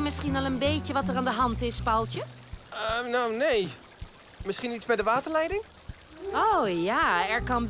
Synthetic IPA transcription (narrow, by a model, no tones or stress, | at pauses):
mɪsχinɑlˠənbejcəʋɑtəɹaːndəɦɑntɪspalˠtjə | ənownej | mɪsχinitzbɛjdəʋaːtəɹlɛjdɪŋ | owjaːɛɹkɑn